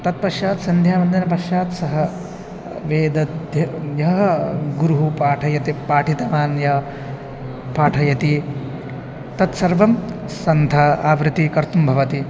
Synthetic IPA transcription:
t̪ɐt̪̚pɐʃjaːt̪sɐnd̪ʱjaːmɐnd̪inɐpɐʃjaːt̪sɐɦɐ | ʋeːd̪ɐt̪jɐjɐɦɐɡuɾuɦupaːʈʰɐjɐt̪ipaːʈʰit̪ɐʋaːnjɐ | paːʈʰɐjɐt̪i | t̪ɐt̪sɐɾʋɐmsɐnt̪ɐaːʋɾɪt̪ikɐɾt̪umbʱɐʋɐt̪i

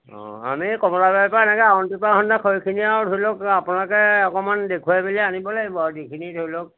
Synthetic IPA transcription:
ɔ̰̃a̰mikɔmɔɹababpaɛnɛkɛaɔntipakʰɔndakʰojkʰiniadʱojlokapʊnalɔkɛɔkɔmandekʰuajbilianibɔlaɡibɔaɹdikʰinidʰʱojlok̚

